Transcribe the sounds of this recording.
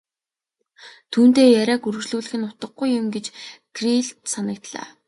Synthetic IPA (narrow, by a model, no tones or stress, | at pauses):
t̪ʰuːn̥t̪eːjæɾʲæːkuɾɵ̆ɣt͡ɕɮuːɮɘ̆xɘ̆nʊt̪ə̆ɡɡujːʊmɡet͡ɕɡriɬt̪sanə̆k̚t̪ɮa̰ː